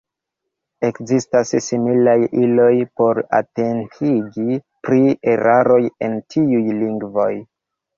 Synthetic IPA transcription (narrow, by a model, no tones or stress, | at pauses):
e̞kzistassimilajilo̞jpo̞ɾa̰tentʰiɡi | pɾie̞ɾaɾo̞je̞ntʰiujliŋɡvo̞j